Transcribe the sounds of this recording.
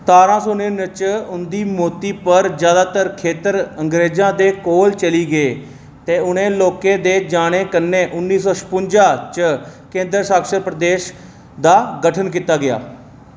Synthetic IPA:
t̪aːɾãːsoːnẽːnət͡ʃʊnd̪iːmoːt̪iːpəɾd͡ʒjaːd̪aːt̪əɾkʰeːt̪əɾəŋɡɾeːd͡ʒãːd̪eːkoːlt͡ʃəliːɡəeː | t̪eːʊnẽːloːkeːd̪eːd͡ʒaːɽ̃eːkənːeːʔʊnːiːsɔːʃə̥pʊɲd͡ʒaːt͡ʃəkẽːnd̪ɾəsaːkʃəɾpɾəd̪eːʃ | d̪aːɡəʈʰənkiːt̪aːɡɪja̰ː

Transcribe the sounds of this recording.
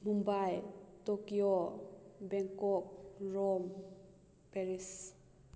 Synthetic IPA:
mumbajtokio | bɛŋkɔk̚ɾɔm | peɾis

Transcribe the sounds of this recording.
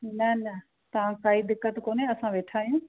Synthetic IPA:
nɐnɐ | t̪ɐʋãkaːiːd̪ɪkːət̪koːneɐsãʋeːʈʰaːjũː

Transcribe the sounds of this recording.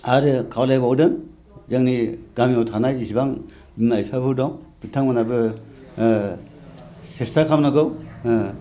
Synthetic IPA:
aɾɯkʰawlajbawdɯŋ | zaŋniɡ̥amiawtʰanajisibaŋ | bmajpʰabʰɯdɔŋbitʰaŋmanabɯ | sestʰakʰamnɯɡɯw

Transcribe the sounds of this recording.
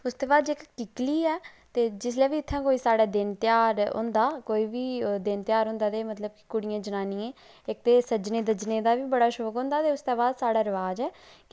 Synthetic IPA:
ʊst̪eːbaːd̪ɪkːɪkliːɛː | t̪eːd͡ʒɪslɛːʋiːɪt̪ʰːãːkoːiːsaːɽɛːd̪ɪnt̪ɪjaːɾɦʊ̰̃nd̪aːkoːiːʋiːd̪ɪnt̪ɪjaːɾɦʊ̃ːnd̪aːt̪eːmət̪ləb̚kɪ̥kʊɽɪjãːd͡ʒənaːniẽː | ɪk̚t̪eːsəd͡ʒnẽːd̪əd͡ʒneːd̪aːʋiːbəɽaːʃoːkɦõːnd̪aːt̪eːʊst̪eːbaːd̪saːɽaːɾəʋaːd͡ʒɛːk

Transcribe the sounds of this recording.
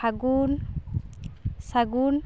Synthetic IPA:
aɡul | saɡul

